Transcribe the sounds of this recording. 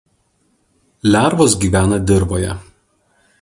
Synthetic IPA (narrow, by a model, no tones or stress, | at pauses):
lʲæˑɾʋoːs̬ɡʲiːʋʲæːnɐd̪ʲɪɾboːjɛ